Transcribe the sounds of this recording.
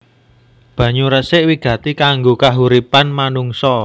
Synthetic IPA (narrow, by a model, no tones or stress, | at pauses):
b̥ä̤ɲuɾəsɪʔwiɡ̥ä̤t̪ikaŋɡokaɦuɾipanmanuŋsɔ